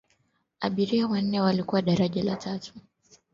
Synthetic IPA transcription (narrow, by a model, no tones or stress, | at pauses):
a̰ɓiɾiawan̩nɛwalikuwaɗaɾaʄalatʰatu̥